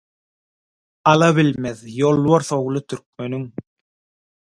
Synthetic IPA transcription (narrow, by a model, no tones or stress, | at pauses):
ɑlˠɑβilmeðjolˠβoɾθo̞wlˠɯt̪ʰyɾk̚mø̞nyŋ